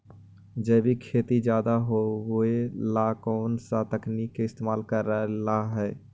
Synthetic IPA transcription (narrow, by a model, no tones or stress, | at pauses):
d͡ʒəːbʱikʰeːt̪id͡ʒjaːd̪aɦoɦuelakɔːnsat̪əknikːeɪst̪eːmaːlkəɾːəlaɦɛː